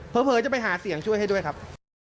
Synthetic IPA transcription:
pʰɤː˨˦˥pʰɤː˨˧˦t͡ɕa˨˩pa˧jɦaː˩˦si˨˩˦əŋt͡ɕʰu˥˩jɦa˥˩jdu˥˩jkʰa˦˥p̚

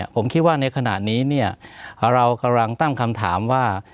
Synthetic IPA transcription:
əpʰo˩˦mkʰi˦˥t̪̚waː˥˩na˧jkʰa˧na̰˨˩t̪̚niː˦˥ni˥˩ɐɾa˧wka˧la˧ŋt̪a˥˩ŋkʰa˧mt̪ʰa̰ː˩˦mwaː˥˩

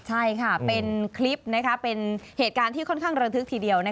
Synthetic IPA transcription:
t͡ɕʰa˥˩jkʰa˥˩pe˧nkʰli˦˥p̚na˦˥kʰa˦˥pe˧nheː˨˩t̪̚kaː˧nt̪ʰiː˥˩kʰɔ˥˩nkʰaː˥˩ŋɾa˧t̪ʰɯ˦k̚t̪ʰiː˧di˧əwna˦˥

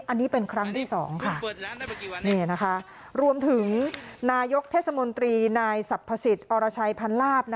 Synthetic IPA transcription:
ʔa˧nːiː˦˥pe˧nkʰɾa˦˥ŋt̪ʰiː˥˩sɔː˩˦ŋkʰa˥˩ | niː˥˩na˦˥kʰa˦˥ | ɾu˧əmt̪ʰɯ˩˦ŋnaː˧jo˦˥k̚t̪ʰeː˥˩t̪̚sa˧mo˧nt̪ɾiː˧naː˧jsa˨˩pʰːa˧si˨˩t̪̚ʔɔː˧ɾaː˧t͡ɕʰa˧jpʰa˧nlaː˥˩p̚na˦˥

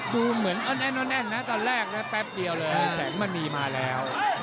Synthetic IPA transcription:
duː˧mɯ˩˦ənʔɔː˧nʔɛ˧nʔɔ˧nʔɛ˧nːa˦˥t̪ɔː˧nɾɛː˥˩k̚lɛ˦˥pɛ˦˥p̚di˧əwlɤː˧ja˧˩sɛ̰ː˩˦ŋma˧˩nmiː˧maː˧lɛː˦˥w

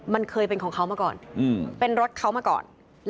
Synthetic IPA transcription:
ma˧nkʰɤː˧jpe˧nkʰɔː˩˦ŋkʰa˦˥wmaː˧kɔ̰ː˨˩nʔɯː˧˩pe˧nɾo˦˥t̪̚kʰa˦˥wmaː˧˩kɔ̰ː˨˩n | l

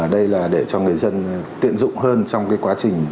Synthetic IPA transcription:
ɗə˧jlaː˨˩ɗe˧˩t͡ɕɔ˧ŋɨ˨˩əjzə˧nt̪ḭ˧˨ənzʊ̰˧˨ŋ͡mhəː˧nt͡ɕɔ˧wŋ͡mkaː˨˦jkwaː˨˦t͡ɕï˨˩ŋ̟

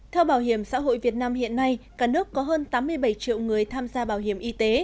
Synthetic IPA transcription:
t̪ʰɛ˧wɓaː˧˩wɦi˧˩əmsa̰ː˧˥ɦo̰˧˨jvi˨˩ət̚naː˧mhḭ˧˨ənːa˧jkaː˧˩nɨ˦˥əkːɔ˨˦ɦəː˧nt̪aː˨˦mːɨ˧əjɓə˧˩jt͡ɕḭ˧˨əwŋɨ˨˩əjt̪ʰaː˧mzaː˧ɓaː˧˩wɦi˧˩əmʔi˧t̪e˨˦

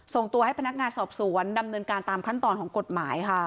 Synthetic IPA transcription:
so˨˩ŋt̪u˧əha˥˩jpʰa˧na˦˥k̚ŋaː˧nsɔː˨˩p̚su˩˦ənda˧mnɤː˧nkaː˧nt̪aː˧mkʰa˥˩nt̪ɔː˧nkʰɔː˩˦ŋko˨˩t̪̚maː˩˦jkʰa˥˩

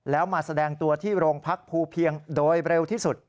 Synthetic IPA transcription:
lɛː˦˥wmaː˧sa˧dɛː˧ŋt̪u˧ɐt̪ʰiː˥˩ɾoː˧ŋpʰa˦˥k̚pʰuː˧pʰi˧əŋdoː˧jɾe˧wt̪ʰiː˥˩su˨˩t̪̚

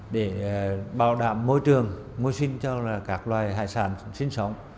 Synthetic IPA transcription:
ɗe˧˩ɓaː˧˩wɗaː˧˩mːo˧jt͡ɕɨ˨˩əŋ | mo˧jsï˧ŋ̟t͡ɕɔ˧laː˨˩kaː˦˥k̚lwaː˨˩jɦa̰ː˧˨jsaː˧˩˦nsï˧ŋ̟sə˨˦wŋ͡m

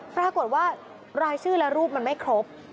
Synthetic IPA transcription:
pɾaː˧ko˨˩t̪̚waː˥˩ | ɾaː˧jsʰɯː˥˩lɛ˦˥ɾuː˥˩p̚ma˧nma˥˩jkʰɾo˦˥p̚

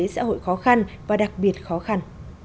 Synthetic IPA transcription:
ə˨˦sa̰ː˧˥ɦo̰˧˨jxɔ˨˦xa˧nvaː˨˩ɗa˨˩k̚ɓi˨˩ət̚xɔ˨˦xa˧n

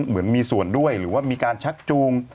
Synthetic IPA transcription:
mɯ˩˦ənmiː˧su˨˩əndu˥˩əjɾɯː˩˦waː˥˩miː˧kaː˧nt͡ɕʰa˦˥k̚t͡ɕuː˧ŋ

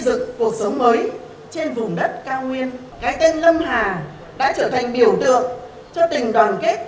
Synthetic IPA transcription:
zɨ˨˩kːu˨˩ək̚sə˨˦wŋ͡mməː˨˦j | t͡ɕe˧nvʊ˨˩ŋ͡mɗə˦˥t̚kaː˧wŋwi˧ən | kaː˨˦jt̪e˧nlə˧mɦaː˨˩ | ɗa̰ː˧˥t͡ɕəː˧˩t̪ʰa˨˩ŋ̟ɓi˧˩əwt̪ɨ̰˧˨əŋ | t͡ɕɔ˧t̪ï˨˩ŋ̟ɗwaː˨˩nke˦˥t̚

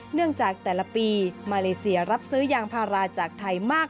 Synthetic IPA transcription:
nɯ˥˩əŋt͡ɕaː˨˩k̚t̪ɛː˨˩la˧piː˧maː˧leː˧si˧ɐɾa˦˥p̚sɯː˦˥jaː˧ŋpʰaː˧ɾaː˧t͡ɕaː˨˩k̚t̪ʰa˧jmaː˥˩k̚

